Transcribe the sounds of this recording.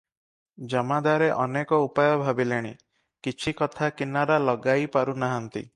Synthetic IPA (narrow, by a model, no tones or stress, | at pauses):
d͡ʒɔmad̪aɾeʔɔnekɔupajɔbʱabileɽ̃ḭ | kit͡ʃʰikɔt̪ʰakinaɾalɔɡajpaɾunaɦant̪ḭ